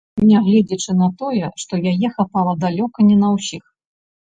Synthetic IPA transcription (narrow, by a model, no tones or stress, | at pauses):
nʲɛɣlʲɛd͡zʲɐt͡ʂɨn̪ɐt̪ɔjɛʂt̪ɔjajɛxapalˠɐd̪alʲɔkɐnʲɛnɐwsʲix